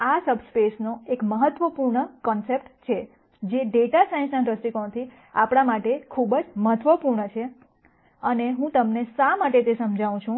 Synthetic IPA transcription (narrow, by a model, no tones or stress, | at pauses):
asəbspesnoekməɦət̪ʋəpuɾɳəkɔnsep̚ʈt͡ʃʰe | d͡ʒeɖeʈasaĩnsnaʈɾəsʈikont̪ʰi | apɽ̃amaʈekʰubəd͡ʒməɦət̪ʋəpuɾɳət͡ʃʰe | əneɦũt̪əmnesamaʈet̪esəmd͡ʒʱaʋũt͡ʃʰũ